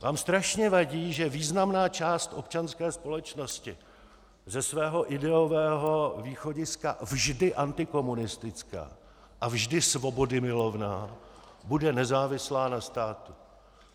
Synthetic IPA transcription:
vaːmst̪ɾaʃɲɛvaɟiːʒɛviːznamnaːt͡ʃaːst̪ʔo̞p̚t͡ʃanskɛːspo̞lɛt͡ʃno̞scɪ | zɛsvɛːɦo̞ʔɪdɛovɛːɦo̞viːxo̞ɟɪska̰vʒdɪʔant̪ɪko̞munɪst̪ɪt͡ska̰ː | ʔavʒdɪsvo̞bo̞dɪmɪlo̞vnaː | budɛnɛzaːvɪslaːnast̪aːt̪u̥

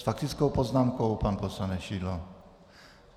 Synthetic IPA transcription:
sfak̚t̪ɪt͡skɔwpɔznaːmkɔwpanpɔsanɛʃiːd̪lɔ

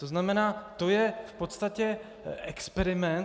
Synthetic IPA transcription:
t̪o̞znamɛnaːt̪o̞jɛfpo̞t̪st̪acɛ | ʔɛkspɛɾɪmɛn

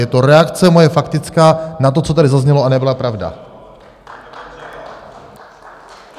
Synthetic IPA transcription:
jɛt̪o̞ɾɛakt͡sɛmo̞jɛfakt̪ɪt͡skaːnat̪̬o̞t͡sot̪adɪzazɲɛloanɛbɪlapɾavda̰

